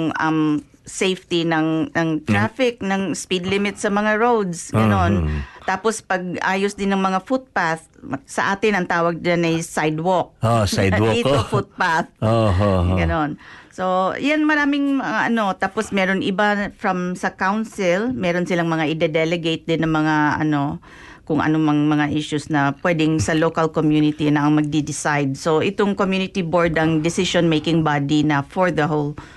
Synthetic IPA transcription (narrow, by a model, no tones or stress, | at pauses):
ŋʔɐ̰m | sejft̪ɪnɐŋnɐŋt̪ɹaːfɪk̚nɐŋspid̪lɪmɪt̪sɐmɐŋaɹowd̪sɡɐno̞nt̪aːpospɐɡ̚ʔaːjosd̪ɪnːɐŋmɐŋafut̪̚paθsɐ̰ʔaːt̪ɪnɐŋt̪aːwɐɡ̚d͡ʒanɐjsajd̪wok̚osajdwofut̪̚paθoɦoɡɐno̞nso̞janmɐɾaːmɪŋmɐŋaʔɐno̞t̪aːposmɛːɾonʔɪbafɹɐmsɐkawnsɪlmɛːɾonsɪlaŋmɐŋaʔɪd̪ɛd̪ɛlɛɡejt̪̚d̪ɪnːɐŋmɐŋaɐ̰no̞ | kʊŋʔɐ̰nomɐŋmɐŋaʔɪʃʊsnɐpwɛd̪ɪŋsɐlokɐlkomjunɪt̪inɐʔɐŋmɐɡ̚d̪id̪ɪsajd̪̚so̞ʔɪt̪oŋkomjuːnɪt̪iboɹd̪ɐŋd̪ɪsɪʃonmejkɪŋbaːd̪inɐfoɹd̪ɐɦol